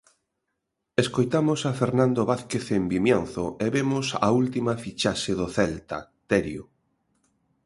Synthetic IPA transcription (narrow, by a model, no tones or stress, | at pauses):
eskojt̪amʊsafeɾnãnd̪oβaθkeθembimjanθʊeβemʊsa̰ult̪imafit͡ʃaʃɪðoθɛlt̪ɐ̰ | t̪ɛɾjo̰